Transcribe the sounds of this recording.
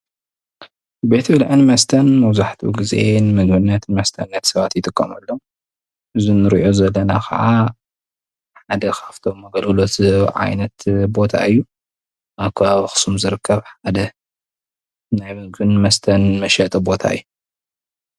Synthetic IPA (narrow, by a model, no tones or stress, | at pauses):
be̞t̪ʰbɨlʕɨnmɐst̪ʰɐnmɐwzaħt̪ʰṵɡɨzḛenmɨɡhɨnːɐt̪nmɐst̪ʰɐnːɐt̪sɐβat̪jɪt̪ʰʼɨkʰːɐmɐlːom | ʔɨzinɨɾiʔo̞zɐlːɐnakʰɐ̰ʕa | ħad̪ɐkʰaft̪ʰo̞mːɐɡɐlɐlo̞t̪ʕa̰jnɐt̪bo̞t̪ʰa̰ɨjːu | ʔakʰβaβxɨ̥sumzɨɾɨkʰːɐβħad̪ɐ | najmɨɡhɨnmɐst̪ʰɐnmɐʃɐt̪ʼɨbo̞t̪ʰa̰ɨjːu